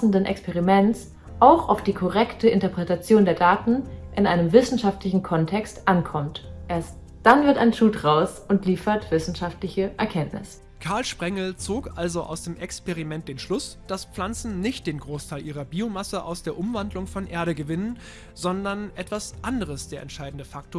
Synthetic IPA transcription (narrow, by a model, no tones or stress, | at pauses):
sn̩dənʔɛ̰kspʰɛʁimɛns | ʔaʊxʔa̰ʊfd̥iːkʰɔʁɛktʰəʔɪntɐpʁ̥ɛtat͡sjoːndeːɐdaːtn̩ʔɪnʔaɪnəmvɪsn̩ʃaftlɪçn̩kʰɔntʰɛkstʔankʰɔmtʔeːɐst | d̥anvɪɐta̰ɪnʃuːtʁaʊsʔʊntliːfɐtv̥ɪsn̩ʃaftlɪçəʔɛ̰ɐkʰɛntnʔɪ̰s | kʰaɐlʃpʁ̥ɛŋl̩t͡soːkʔalzoʔa̰ʊsd̥eːmʔɛkspeʁimɛnt̚d̥eːnʃlʊsd̥asp͡flant͡sn̩nɪçt̚d̥eːnɡʁoːstʰaɪlʔiːʁɐbiːomasəʔa̰ʊsd̥eːɐʔʊmvandlʊŋfɔnʔeːɐɾəɡəvɪnən | zɔndɐnʔɛtv̥asʔandəʁəsd̥eːɐɛntʃaɪdn̩dəfak̚toːɐ